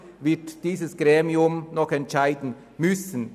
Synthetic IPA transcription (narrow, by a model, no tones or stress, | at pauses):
vɪtd̥iːzəsɡ̥ʁeːmiʊmnɔxɛntʃaɪdn̩ | mʏsən̩